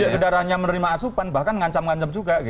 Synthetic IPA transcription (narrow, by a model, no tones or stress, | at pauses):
aʔkədaɾaɦɲamənəɾimaːsupanbahkanŋaɲt͡ʃamŋaɲt͡ʃəmd͡ʒuɡaɡi